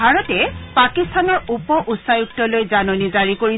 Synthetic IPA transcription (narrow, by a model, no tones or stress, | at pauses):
aɹɔtɛpakistʰanɔɹupɔʔusajuk̚tɔlojzanonizaɹikoɹi